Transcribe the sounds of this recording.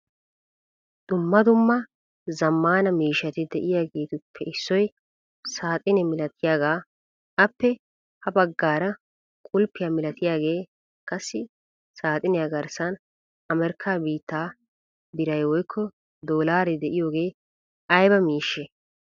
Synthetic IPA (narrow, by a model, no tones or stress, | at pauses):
d̪̥ʊmːɐd̪ʊmːɐ | zɐmːaːnɐmiːʃɐt̪ɪd̪ɛʔɪjaːɡe̞ːt̪ʊpʰːɛɪsːɔj | saːt̪ʼɪnɛmɪlɐt̪ʰɪjaːɡaː | ɐpːɛ | hɐbɐɡːaːɾɐ | kʼʊlpːɪjamɪlɐt̪ɪjaːɡe̞ː | kʼɐsːɪ | saːt̪ʼɪnɛjɐɡɐɾsɐn | ɐmɛɾkʰːaːbiːt̪ːaː | b̪ɪɾɐjwɔjkʰːɔ | d̪o̞ːlaːɾɛd̪ɛʔɪjo̞ːɡe̞ː | ɐjbɐmiːʃːɛ